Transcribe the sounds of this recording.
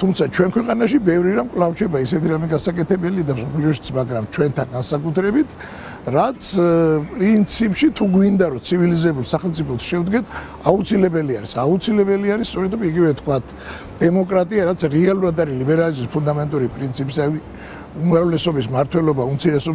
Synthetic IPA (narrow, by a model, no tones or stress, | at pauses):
t̪ʰumt̪sʰat͡ʃʰwɛnkʰwɛqʼanaʃibɛvɾiɾamkʼwlˠaft͡ʃʰɛbaisɛt̪ʰiɾamɛɡasakʼɛt̪ʰɛbɛliad̪amsɔpʰliɔʃit̪sʰmaɡɾamt͡ʃʰwɛnt̪ʰanɡansakʼut̪ʰɾɛbit̪ʰ | ɾat̪sʰpʼɾint̪sʰipʼʃit̪ʰuɡwind̪aɾɔt̪sʰivilizɛbulˠsaχɛlmt̪sʼipʰɔt̪sʃɛvd̪ɡɛt̪ʰ | aut̪sʰilɛbɛliaɾisaut̪sʰilɛbɛliaɾist̪sʼɔɾɛt̪ɾɔiɡivɛt̪ʰkʰwat̪ʰ | d̪̥ɛmɔkʼɾat̪ʼiaɾat̪sʰɾɛalˠuɾad̪aɾilibɛɾalizmispʰund̪amɛnt̪ʼuɾipʼɾint̪sʰipʼisai | umɾavlɛsɔbismaɾt̪ʰwɛlɔbaumt̪sʰiɾɛsɔb